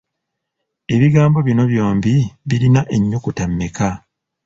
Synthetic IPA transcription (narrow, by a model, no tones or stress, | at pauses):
e̞βiɡaːmbo̞βino̞βjo̞ːmbiβiɾinaʔe̞ɲːukutamːeka